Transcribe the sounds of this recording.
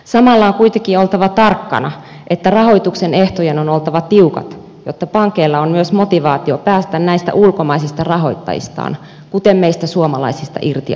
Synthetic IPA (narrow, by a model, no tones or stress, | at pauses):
sɑmɑlːɑoŋkuit̪eŋkiolt̪ɑʋɑt̪ɑrkːɑ̰nɑ | ʔet̪ːærɑɦo̞jt̪ukseneht̪ojenonolt̪ɑʋɑt̪iukɑ̰t̪ | jot̪ːɑpɑŋkeilːɑonmyøsmot̪iʋɑːt̪iopæːst̪ænnæist̪æ̰ʔulkomɑisist̪ɑrɑɦo̞̰it̪ːɑ̰jḭst̪ɑ̰ːn | kut̪emmeist̪æsuomɑlɑ̰isist̪ɑ̰ʔirt̪ḭ